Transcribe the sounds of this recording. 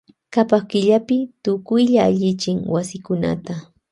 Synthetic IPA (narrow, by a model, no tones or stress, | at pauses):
kapakɪʎapɪt̪ʊkʊjʎaːʎɪt͡ʃɪŋwasɪkʊna̰t̪a